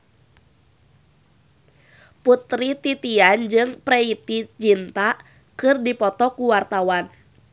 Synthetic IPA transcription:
put̪ɾit̪it̪iand͡ʒɨŋpɾɛit̪id͡ʒint̪a | kɨrdipɔt̪ɔkuwart̪awan

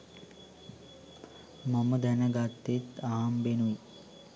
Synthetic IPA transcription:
mɐməd̪ænɐɡat̪ːet̪aɦɐmbenu

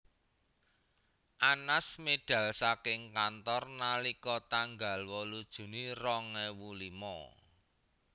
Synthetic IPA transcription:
ʔanasmeɖ̥ä̤lsakɪŋkant̪ɔrnalikɔt̪aŋɡa̤lwɔlud̥ʒ̥ṳnirɔŋɛwulimɔ̰

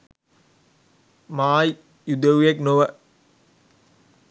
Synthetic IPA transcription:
maːj | jud̪əʋujeknoʋə

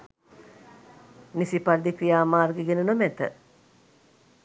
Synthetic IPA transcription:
nisipaɾd̪ikɾijaːmaːrɡeɡenunomæt̪ə

